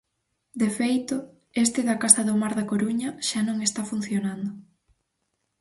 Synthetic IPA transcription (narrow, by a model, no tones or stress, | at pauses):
d̪efejt̪ʊ | est̪ɪðɐkasɐðʊmaɾðɐkoɾuɲɐʃanõŋest̪afun̟θjonand̪ʊ